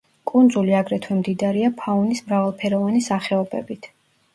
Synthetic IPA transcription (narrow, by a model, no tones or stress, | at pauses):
kʼund̪zuliaɡɾɛt̪ʰwɛmd̪id̪aɾiapʰaunismɾavalˠpʰɛɾɔvanisaχɛɔbɛ̰bit̪ʰ